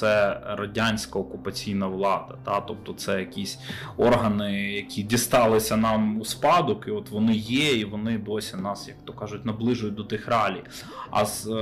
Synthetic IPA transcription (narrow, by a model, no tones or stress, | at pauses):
ɛɾɐdʲanʲsʲkɐɔkʊpɐt͡sʲijnɐʋlˠɑd̪ɐt̪ɑt̪ɔp̚t̪ɔt̪sɛjɐkʲisʲɔrɦɐnɪjɐkʲidʲist̪ɑlˠɪsʲɐnɑmuspɑd̪ʊkiɔt̪ʋɔnɪjɛiʋɔnɪd̪osʲɪnɑsjɐk̚tt̪ɔkɑʒʊtʲnɐblˠɪʒʊjʊd̪ɔt̪ɪxrɑlʲij | ɐ̰z̥